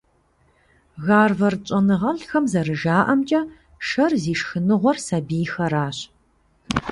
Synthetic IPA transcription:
ɣaːrvɐrt͡ʃʼɐnɨʁɐɬxɐmzɐrɨʒaːʔɐmt͡ʃʼɐ | ʃɐrziːʂxɨnɨʁʷɔrsabiːjxɐɾaːɕ

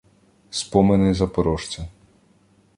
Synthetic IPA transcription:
spɔmenɪzɐpɔɾɔʃt͡sʲɐ

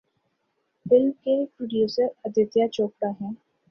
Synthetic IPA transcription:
fɪlmkepɾʊɖjuːsəɾəd̪ɪt̪jat͡ʃoːk̚ʈaɦɛ̃ː

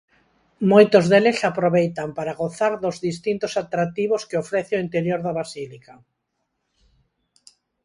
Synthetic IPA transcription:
mojt̪ozðelesapɾoβejt̪ampaɾaɣoθaɾðozðist̪int̪osat̪ɾak̚t̪iβoskeofɾɛθɪoint̪eɾjoɾðaβasilika

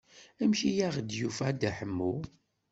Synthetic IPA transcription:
æmʃijaʁd̪jufæd̪æħəmːu

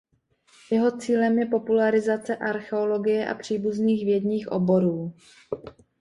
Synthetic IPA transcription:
jɛɦo̞t͡siːlɛmjɛpo̞pulaɾɪzat͡sɛʔaɾxɛo̞lo̞ɡɪjɛʔa̰pr̝̥iːbuzniːɣvjɛdɲiːxʔo̰bo̞ɾuː

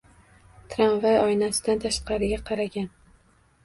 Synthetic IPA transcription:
t̪ʰɾanvajɒjnasɪd̪ant̪ʰaʃqɑɾɪɡʲaqʰɑɾaɡʲan

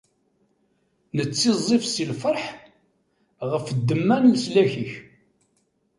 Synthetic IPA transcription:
nət͡sːizˤːifsilfəɾˤħ | ʁəfəd̪ːəmːænləslæçiç

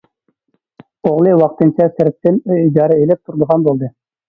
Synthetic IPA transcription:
oʁlˠɨwɑq̚t̪ɨnt͡ʃʰɑsɛɾp̚t̪ːɪnøid͡ʒɑːɾɛelɛp̚t̪ʰuɾd̪əʁɑnbolˠd̪ɨ

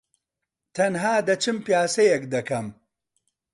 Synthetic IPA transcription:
t̪ʰɐnɦaːd̪ɐt͡ʃɨmpjaːsɐjɛkd̪ɐkɐm

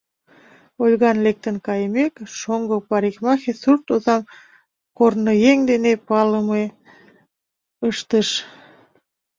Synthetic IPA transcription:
olʲɣɑnlek̚t̪ənkɑjmekʃoŋɡopɑɾikmɑxesurt̪ozɑm | kornːəjeŋd̪enepɑləme | əʃt̪əʃ

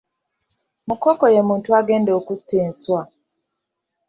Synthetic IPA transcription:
mukokojemuːntuaɡeːndeokutːeːnswa

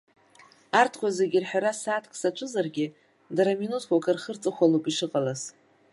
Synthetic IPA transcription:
artʰχʷazeɡʲirħᶣaɾasaːtʰkʰʼsat͡ʃʷʰʼɨzarɡʲɪ | daɾaminutʰwʷakʰarχərt͡sʼɨχʷalopʼiʂɨqʼalaz

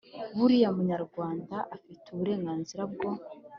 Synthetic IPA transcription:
βuɾijamuɲaɾɡwaːndaʔafituβuɾe̞ːŋɡaːnziɾab̚ɡo̞

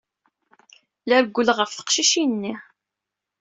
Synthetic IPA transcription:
læɾəɡʷːəlʁəfθə̥qʃiʃinːi

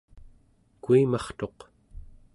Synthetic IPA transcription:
kuimɑχt̪o̞q

